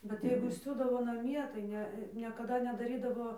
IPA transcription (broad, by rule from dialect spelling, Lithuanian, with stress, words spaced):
bʲɛt ˈjɛɪɡʊ ˈsʲuːdɐʋoː nɐˈmʲiɛ tɐɪ ˈnʲɛ nʲɛkɐˈdɐ nʲɛdɐˈrʲiːdɐʋoː